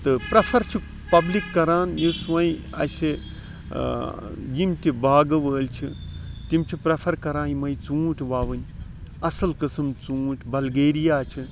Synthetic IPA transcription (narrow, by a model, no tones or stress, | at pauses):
t̪ɨpɾɐpʰɐɾt͡ʃʰi | pɐblikːɐɾaːnjisʋɐi | ɐ̰se | jimt̪ʲibaːɡɐʋəːlt͡ʃʰit̪imt͡ʃʰipɾɐpʰɐɾkɐɾaːjimɐjt͡sũːʈʲʰʋaːʋɨnʲ | ɐsɐlkɨsɨmt͡sũːʈʰbɐlɡeːɾijaːt͡ʃʰi